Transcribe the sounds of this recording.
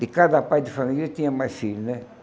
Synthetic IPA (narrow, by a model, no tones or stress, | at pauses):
d̪ɪkad̪ɐpajd̪ɪfamilɐt̪ĩɲɐmajfiɾnɛ